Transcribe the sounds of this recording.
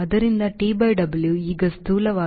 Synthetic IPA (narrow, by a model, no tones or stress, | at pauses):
ɐd̪ɐɾind̪ɐʈiːbɐjɖɐbɐljuiːɡɐst̪uːlɐʋaː